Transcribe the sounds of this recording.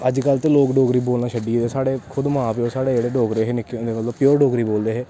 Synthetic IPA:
əd͡ʒkəlt̪eːloːkɖoːɡɾiːboːlnaːʃʰəɖiːd̪eːsaːɽeːkʰʊd̪mãːpeoːsaːɽeːd͡ʒeːɽeːɖoːɡɾeːɦeːnɪkːend̪eːmət̪ləbpːjoːɾɖoːɡɾiːboːld̪eːɦɛː

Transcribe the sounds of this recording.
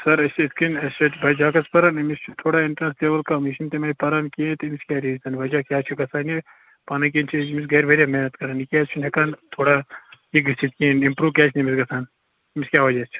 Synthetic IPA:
sɐɾɐsɐskinɐsɐt̪ʰbʱɐd͡ʒaːkɐspɐɾanimist͡ʃʰut̪ʰoːɽaːɪɳʈɾɐnsleːbɐlkamiʃint̪emɐpɐɾankiẽt̪imiskʲaːɾiːzɐnʋɐd͡ʒaːkʲjaːt͡ʃʰuɡɐsʰaːni | paːnɐk̬iːnt͡ʃʰimisɡɐːɾʋɐɾʲjameːnɐt̪kɐɾanikʲjaːst͡ʃʰunɦekaːnt̪ʰoːɽaiɡit͡ʃʰit̪kienimpɾuːʋkʲaːt͡ʃʰnimisɡɐsʰaːn | miskʲjaːʋɐd͡ʒaːst͡ʃʰ

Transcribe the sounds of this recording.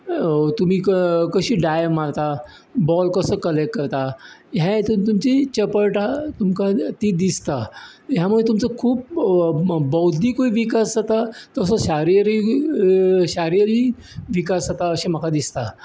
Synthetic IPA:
ot̪um̤iːkkəɕiːɖajmːaɽt̪abɔlkəsəkəlekʈ̚kəɾt̪ajat̪ut̪umt͡ɕit͡ɕəpəɾʈat̪umkat̪id̪ist̪ajamuɭet̪umt͡səkʰuːp̚ | bəwd̪ʱiːkoiʋikasət̪at̪əəsəɕaɾiɾi | ɕaɾijəɾiː | ʋikasət̪aəɕim̤əkad̪ist̪a

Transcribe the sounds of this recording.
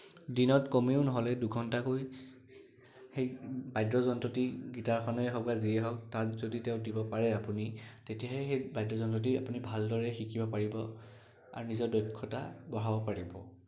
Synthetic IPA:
dinɔtkɔmeʊnɔɦɔlɛduɡʱɔntakoj | xejbajdɹɔzɔntɔtiɡitaɹkʰɔnɔɦɔk̚baziɛɦɔk̚tatzoditeʊ̃dibɔpaɹɛapunitetijaɦɛxejbajdɹɔzɔntɔt̬ia̰punibʱaldɔɹɛxikibɔpaɹibɔ | a̰ɹunizɔɹdɔjkʰːɔta̰bɔɹɦabɔpaɹibɔ

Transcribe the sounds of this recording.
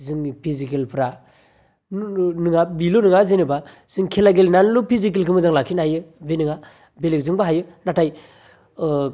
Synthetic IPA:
zɯŋpʰizikelpʰɾa | nɯŋabilonɯŋazenɯba | z̥ɯŋkʰelaɡelnanlupʰizik̬elkʰɯmɯzaŋlakʰinajɯbenɯŋa | belek̚zɯŋbaɦajɯnatʰaj

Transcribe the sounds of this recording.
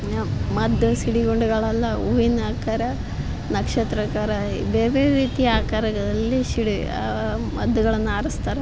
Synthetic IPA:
mɐd̪ʱːusiɽiɡoɳɖuɡɐɭɐlːɐuʋinːaːkaːɾɐ | nɐkʂɐt̪ɾɐkaːɾɐbeːɾʋeːɾiːt̪iaːkaɾɐɡɐd̪ɐlːisiɽi | mɐd̪ːuɡɐɭɐnːaːɾɐst̪aːɾe

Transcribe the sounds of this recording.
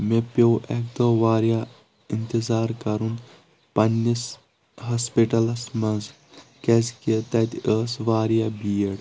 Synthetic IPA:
mepowʔɛkd̪oːʋaːɾja | int̪izaːɾkɐɾun | pɐnːis | ɦɐspiʈɐlɐsmɐnz | kɐzkit̪ɐt̪əːsʋaːɾjabiːəɽ

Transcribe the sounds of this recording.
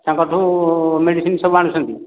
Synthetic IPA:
t̪ãkɔʈʰumeɽisinsəbuaɽ̃usənt̪i

